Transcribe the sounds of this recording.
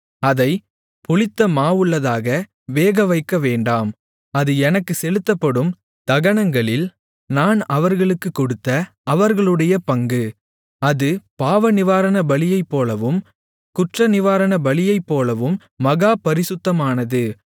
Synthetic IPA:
ɐðɐɪ | pʊɭɪt̪ːɐmaːʋɯɭːɐðaːɣɐ | ʋeːɣɐʋɐɪkːɐʋeːɳɖaːm | ɐðɯɛnɐkːɯsɛlɯt̪ːɐpːɐɽɯm | t̪ɐɣɐɳɐŋɡɐɭɪl | naːnɐʋɐɾɣɐɭɯkːɯkːɔɽɯt̪ːɐː | ʋɐɾɣɐɭɯɽɐjɐpɐŋɡɯ | ɐðɯpaːʋɐnɪʋaːɾɐnɐbɐɭɪjɐɪpːoːlɐʋɯm | kʊʈrɐnɪʋaːɾɐnɐbɐɭɪjɐɪpːoːlɐʋɯmː | ɐɣaːpɐɾɪsɯt̪ːɐmaːnɐðɯ

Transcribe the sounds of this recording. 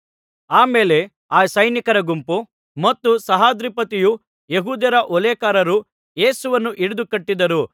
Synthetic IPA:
aːmeːle̞ | aːsɐjnikɐɾɐɡumpu | mɐt̪ːusɐɦaːd̪ɾipɐt̪iju | jeɦuːd̪jɐɾɐʔɔleːkaːɾɐɾu | je̞ːsuʋɐnːuʔiɽud̪ukɐʈːid̪ɐɾu

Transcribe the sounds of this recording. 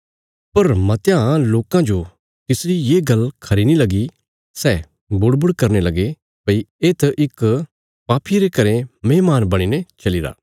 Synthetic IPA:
pɐɾmɐt̪jãloːkãd͡ʒo | t̪ɪsɾijeːɡɐlkʰɐɾinilɐɡi | sɛː | bʊɽbʊɽkɐɾnelɐɡe | pɐieːt̪ʔɪk | paːpʰiɾekɐɾẽmeːmaːnbɐɽ̃inet͡ʃɐliɾa̰ː

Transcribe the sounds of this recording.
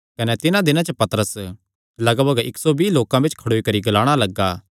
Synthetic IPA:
kɐnɛt̪ɪnãd̪ɪnãt͡ʃəpɐt̪ɾəs | lɐɡbəɡɪksobiːloːkãbet͡ʃkʰɐɽoːikɐɾiɡɐlaːɽ̃alɐɡːaː

